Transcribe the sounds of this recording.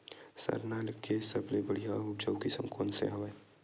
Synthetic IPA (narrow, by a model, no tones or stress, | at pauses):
sə̰ɾnaləkːesəblebəɽijaʊp̚d͡ʒəwkisə̰̃ŋkoːnsḛɦɐʋe